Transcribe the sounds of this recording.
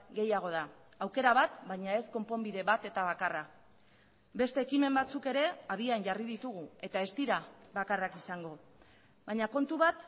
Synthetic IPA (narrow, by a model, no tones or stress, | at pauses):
ɡe̞jaɣ̞o̞ða | awke̞ɾaβat̪baɲae̞sko̞mpo̞mbiðe̞βat̪e̞t̪aβ̞akara | be̞st̪e̞ːkime̞mbat͡suke̞ɾe̞aβianʝariðit̪uɣ̞ue̞t̪ae̞st̪iɾaβakarakisaŋɡo̞ | βaɲako̞nt̪uβat̪